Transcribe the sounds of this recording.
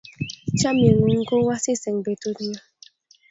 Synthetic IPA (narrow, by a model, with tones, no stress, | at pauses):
t͡ʃa˦mje˨nu˨ŋ̩˦ko˦wa˦si˦sɛ˨ŋ˨be˨to˦tɲa˦